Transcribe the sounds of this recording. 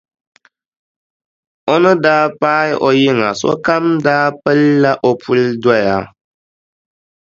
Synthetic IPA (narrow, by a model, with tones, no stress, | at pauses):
o˦nɨ˦daː˦paː˦jʔo˦ji˦ŋa˨sɔ̰˦ka˦mdaː˦pə˦lːa˦ʔo˦pu˦lda˦jaː˨˦